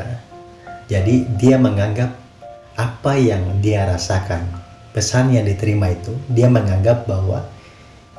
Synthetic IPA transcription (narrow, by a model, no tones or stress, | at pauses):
a | d͡ʒadidiaməŋaŋɡap̚ | apajaŋdiaɾasakan | pəsanjaŋdit̪əɾimait̪udiaməŋaŋɡap̚baɦwa̰